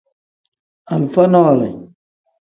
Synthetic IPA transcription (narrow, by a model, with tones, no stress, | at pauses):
a˨lu˨fa˦nɔ˦a˨lɛ̰˨